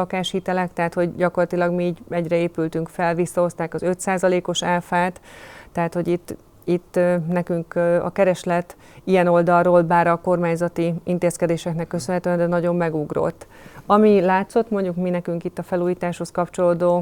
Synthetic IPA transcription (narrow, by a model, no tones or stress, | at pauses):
ɒkaːʃhiːt̪ɛlɛkt̪ɛɦːt̪ho̞ɟɟɒko̞rlɒt̪ilɒɡmiiːɟɛɟrɛeːpylt̪yŋkfɛlvisːɒo̞st̪aːkɒzø̞t̪saːzɒleːko̞ʃɛlfaːt̪ːɛɦat̪ho̞ɟit̪ː | it̪ːnɛkyŋkɒ̰kɛɾɛʃlɛt̪ː | iɛno̞ld̪ɒroːlbaːɾɒko̞rmaːɲzɒt̪iint̪eːskɛd̪eːʃɛknɛkːø̞sønɦɛt̪ø̟ɛnd̪ɛnɒɟo̞mːɛɡuɡro̞̰t̪ː | ɒmilaːt̪so̞t̪mo̞ɲɟukminɛkyŋkit̪ːɒfɛluːjiːt̪aːʃho̞skɒpt͡ʃo̞loːd̪oː